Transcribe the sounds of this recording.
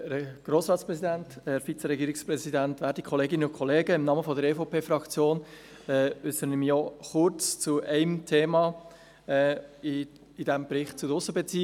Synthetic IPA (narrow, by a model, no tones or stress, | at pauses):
ɡ̥roːsɾɑːtsprɛsidɛntɛɾfit͡səɾɛɡiːɾɪksprɛzidɛntʋæːɾdikʰχɔleːɡɪnənʊnkʰɔleːɡəɪmnɑːməfɔdəɾefopʰeːfrɑkt͡sjoːn | ɛʏsəɾənɪmjɔχʊɾt͡st͡sʊʔɛɪmtʰeːmɑ | ɛ | ɪdɛmbɾɪχt̚t͡sʊdəʊsəbɛt͡siː